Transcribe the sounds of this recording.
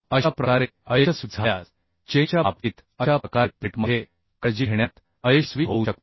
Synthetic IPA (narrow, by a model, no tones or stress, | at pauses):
əɕapɾəkaɾeəjeasud͡zʱaja | t͡ɕẽt͡ɕapiːt̪ | əɕaəkapiʈməe | kəd͡ʑiɦeɳjat̪ | əjeɕsʋiɦouɕək̚t̪